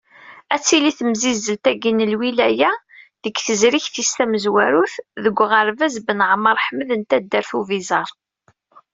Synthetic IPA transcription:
æt͡sːiliθəmzizːəlt̪æɡinəlwilæjæ | ðəɡθəzɾiçθist̪æməzwæɾuθðəɡʷːʁəɾvæzbənʕəməɾˤħməðənt̪æd̪ːəɾθuvizɑɾˤ

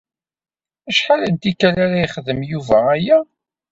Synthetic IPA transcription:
æʃħalənt̪ikælæɾæjiχðəmjuvææjæ

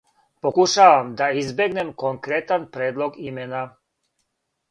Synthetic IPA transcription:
pokuʃaʋamd̪aizbeɡnemkoŋkɾet̪anpɾeːd̪lˠoɡimena

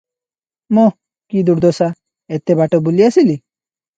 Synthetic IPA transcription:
mo | kid̪uɾd̪ɔsa | et̪ːebaʈɔbuliasili

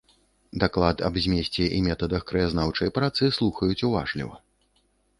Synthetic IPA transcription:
d̪aklˠat̪ɐ̰bzʲmʲesʲt͡sʲɛʔimʲɛt̪ɐd̪ɐxkɾɐjaznawt͡ʂɐjpɾat̪sɨslˠuxɐjut͡sʲuva̰ʐlʲḭvɐ̰

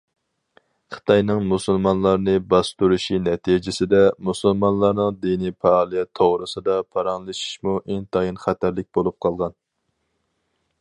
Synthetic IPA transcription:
χə̥t̪ʰɑjnɨŋmusɨlˠmɑnlˠɑɾnɨbɑst̪uɾuʃinɛt̪ʰid͡ʒɪsɪd̪ɛmusɨlˠmɑnlˠɑɾnɨŋd̪inipʰɛːlˠijɛt̪ʰːoʁɾɨsɨd̪ɑpʰɑɾɑŋlˠɨʃi̥ʃmuʔeŋt̪ʰɑjinχæt̪ʰæɾlɪk̚ʲbolˠup̚qʰɑlˠʁɑn

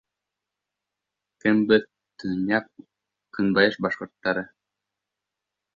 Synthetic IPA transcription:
kɘmbɘð | t̪ɯnʲɑp̚ | kɯnbɑjɤʃbɑʃqŏɾt̪ːɑɾɤ

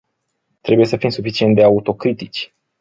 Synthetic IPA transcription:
t̪ɾe̞buje̞səfimsufit͡ʃiet̪d̪eaut̪o̞kɾit̪it͡ʃʲ

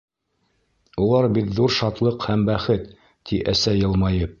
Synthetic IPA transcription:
ulˠɑɾbit̪ðuɾʃɑt̪lˠɤqhæmbæχɘt̪ː | iʔæsæjɤ̆lˠmɑjɤp̚

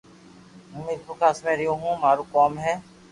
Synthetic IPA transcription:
ʊmiːd̪pʊkʰaːsmẽːɾɪjõːɦũːmaːɾuːkoːmɦɛː

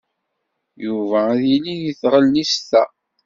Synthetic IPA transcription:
juvæðiliðiθʁəlːist̪æ

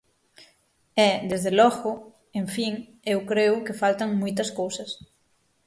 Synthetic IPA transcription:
ɛd̪ezðelɔɣʊ | ẽɱfiŋ | ewkɾeʊkɪfalt̪aŋmujt̪ɐskowsɐs

